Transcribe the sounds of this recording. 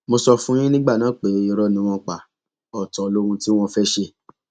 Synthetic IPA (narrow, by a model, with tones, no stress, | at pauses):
mo˧sɔ˧fũ˦j̃ĩ˦nĩ˦ɡ͡ba˦˨nãː˨˦k͡pe˨˦i˧ɾɔ˧˦nĩ˨˧˦w̃ɔ̃˧k͡pa˨ | ɔ˨tɔ˨˧lo˦ɾũ˧ti˦w̃ɔ̃˧fɛ˦ʃe˧˨